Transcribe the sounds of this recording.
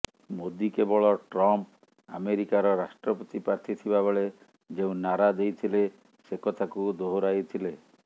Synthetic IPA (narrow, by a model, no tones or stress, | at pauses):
mod̪ikebɔɭɔʈɾɔmp | a̰meɾikaɾɔɾasʈɾɔpot̪ipɾaɾt̪ʰit̪ʰibabeɭe | d͡ʒeũnaɾad̪ejt̪ʰile | sekɔt̪ʰakud̪oɦoɾajt̪ʰile